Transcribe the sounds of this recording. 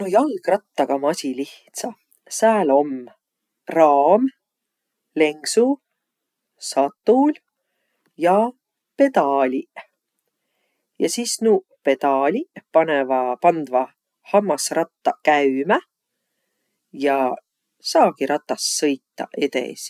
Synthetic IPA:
nojɑlɡ̥rɑt̪ːɑɡ̥ɑmɑsʲiliht̪sɑ | sæːlo̞m | rɑːm | le̞ŋɡsu | sɑt̪ːˑul | jɑ | pe̞d̪̥ɑːlʲi | jɑsiːsnuː | pe̞d̪̥ɑlʲipɑnevɑpɑnd̪vɑ | hɑmːɑsrɑt̪ːɑkæymæ | jɑ | sɑːɡ̥iɾɑt̪ːˑɑsːɤjt̪ːɑ̰ʔe̞t̪ḛs

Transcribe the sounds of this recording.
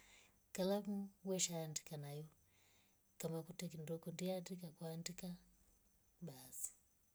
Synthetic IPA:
kalamuwɛʃandi̥kanaju | kamakutɛkindɔkɔndiadikakwandika | basi̥

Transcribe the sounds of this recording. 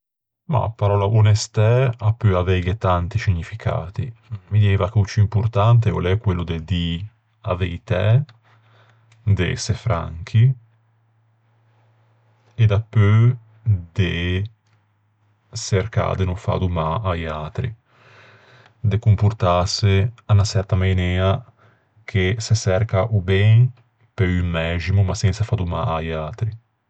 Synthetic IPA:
ma̰pːaɾɔːlaʔonest̪ɛapːøavɛjɡet̪ant̪isiɲːifikʰa̰ːt̪ḭmid̪ieːvakut͡ʃːiimpurt̪ant̪̬eolɛkːwelːud̪ed̪i | a̰vejt̪ɛ | d̪ḛsefɾa̰ŋk̟ʰi | ed̪apːø | d̪e | seɾka̰d̪enufa̰d̪umaajat̪ɾḭ | d̪ekumpuɾt̪aseanasɛɾt̪amajneːa | kʰesesɛɾkaʔubɛŋ | peymɛʒimumasɛnsafad̪uma̰ajat̪ɾi

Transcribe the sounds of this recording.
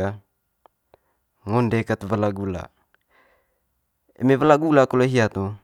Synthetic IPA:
a | ŋondekat̪valaɡula̰ | ḛmevalaɡulakoloɦiat̪o

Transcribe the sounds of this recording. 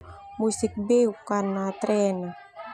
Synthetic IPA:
musik̚bɛukːanat̪ɾɛnɔ

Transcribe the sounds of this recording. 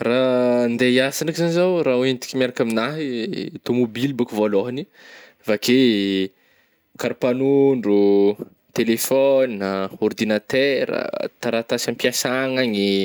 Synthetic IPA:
rand̪eiasanakizanizawɾawenit̪i̥kʲimjaɾakaminaɦit̪omobilibukuvoloɦani | vake | kaɾpanuɳɖ͡ʐu | t̪elefɔnaɔrd̪inat̪ɛɾa̰t̪aɾat̪asampiasaŋaɲi

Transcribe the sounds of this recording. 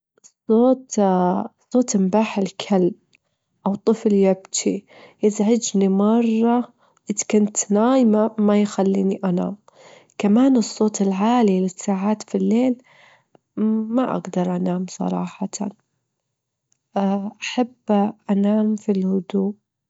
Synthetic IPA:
sˤːoːt̪ | sˤːoːt̪ɪmbaːħɪlkʰalb̚ | ʔawt̪ˤɨfljabt̪ʰi | jɪzʕɪd͡ʒnimɑrˤːɑ | ʔɪðkʊnt̪naːjmamajxalːḭːniʔana̰ːm | kamaːnɨsˤːoːt̪ɪlʕaːlilɪsːaːʕaːt̪filːeːl | maʔa̰ɡd̪ɑɾˤʔanaːmsˤɑ̰ɾˤɑ̰ːħɑt̪ʰ | ʔaħabːʔanaːmfilhʊd̪uː

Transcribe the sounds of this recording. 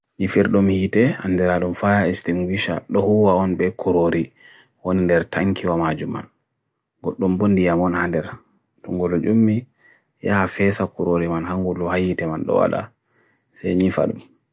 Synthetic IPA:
ɲifiɾɗumhiːtɛhanːdɛɾaɗumfajaistiŋɡwiʃa̰ɗɔhuwaɔnbɛkʰuɾoɾi | wonindɛɾtaŋkʰiwamad͡ʒuma̰n | ɡɔɗːɔmbondijamɔnhandɛɾ | tɔŋɡɔlɔd͡ʒumːi | jahafɛsakuɾoɾimanhaŋɡulːɔhahiːtɛmanɗɔ̰wa̰la̰ | sɛjɲifa̰ɗṵm

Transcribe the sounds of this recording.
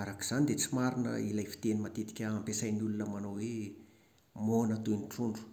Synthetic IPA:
aɾaki̥z̥anid̪et͡simaɾinə̰ilajfi̥t̪enimat̪et̪i̥kʲəɦampesajniulunəmanowe | monət̪unʈ͡ʂuɳɖ͡ʐu̥

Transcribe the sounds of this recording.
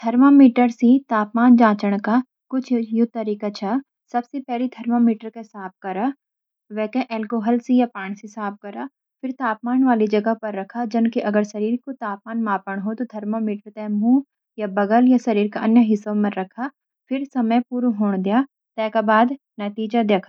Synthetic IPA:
d̪̥ʱɐɾmamiːʈəɾsĩt̪aːpmaːnd͡ʒãːt͡ʃəɽ̃ka | kʊt͡ʃʰjʊt̪ːəɾiːkat͡ʃʰa | sɐbsepɛɦlid̪ʱɐɾmamiːʈəɾkesaːp̚kɐɾaː | ʋɛːkeʔɛːlkoːɦəlsijapãːɳ̃sisaːp̚kɐɾaː | fɪɾt̪aːp̚maːnʋaːlid͡ʒɐɡəpɐɾːɐkʰad͡ʒɐnkiʔɐɡəɾsɐɾiːɾkot̪aːp̚maːnmaːpəɽ̃ɦot̪od̪ʱɐɾmamiːʈəɾt̪ɛ̃mũː | jabɐɡəljasɐɾiːɾkaʔɐnjəɦɪsːõmɐ̃ɾɐkʰa | fɪɾsɐməjpuːɾuɦoːɽ̃d̪ijaː | t̪ɛːkabaːd̪ | nɐt̪iːd͡ʒad̪jeːkʰa

